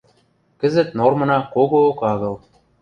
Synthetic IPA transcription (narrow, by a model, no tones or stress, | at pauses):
kɘ̆zɘ̆t̪̚normɤ̆nɑkoɣookɑɣɤ̆lˠ